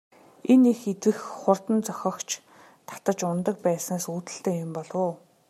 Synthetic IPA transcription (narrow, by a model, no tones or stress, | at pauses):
enixet͡s̪ɘ̆xχʊrt̪ə̆nt͡sɔxʲɞ̆kt͡ɕʰ | t̪ʰḁt̪ə̆t͡ɕʊnt̪ə̆k̚pæːsnaːsuːt̪ɘ̆ɬt̪eːjʊmpɔɮwʊː